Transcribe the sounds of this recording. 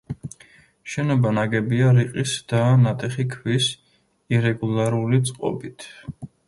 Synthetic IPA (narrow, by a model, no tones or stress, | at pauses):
ʃɛnɔbanaɡɛbiaɾiqʼisd̪̥anat̪ʼɛχikʰwis | iɾɛɡulˠaɾulit̪sʼqʼɔ̰bit̪ʰ